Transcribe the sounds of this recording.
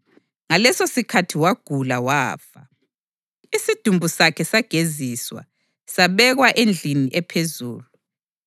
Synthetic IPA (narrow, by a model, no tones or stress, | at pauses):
ŋalɛsosikʰatʰiwaɡ̥ʱulawaːfa | isid̥ʱumbʱusakʰɛsaɡ̥ʱeziswa̰ | saβɛɣwaʔend͡ɮʱiniʔɛpʰezuːlu